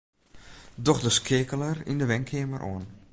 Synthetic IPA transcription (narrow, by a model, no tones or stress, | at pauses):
dɔxdəskʰɪːkələrḭndəʋɛŋkʰɪəməɾʔo̰ən